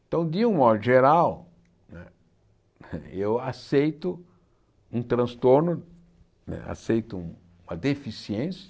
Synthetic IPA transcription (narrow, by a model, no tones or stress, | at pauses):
t̪ɐ̃w̃d̪ɪũmɔd̪ʊʒeɾaw | nɛ | ewasejt̪ʊ | ũt̪ɾɐ̃st̪oɾnʊ | nɛ̰a̰sejt̪ʊũ | ũmɐd̪efisiẽsjɐ